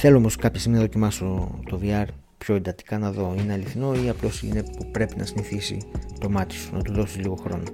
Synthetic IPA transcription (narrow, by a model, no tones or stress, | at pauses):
θe̞loomoskɐpçɐsiminɐðocimɐso̞t̪o̞viɐɾ | pço̞e̞nd̪ɐt̪i̥kɐnɐðo̞ineɐliθino̞iɐplo̞sḭne̞pupɾe̞pinʔɐ̰siniθisḭt̪o̞mɐt̪i̥su̥nɐ̰t̪uðo̞sizliɣo̞xɾo̞no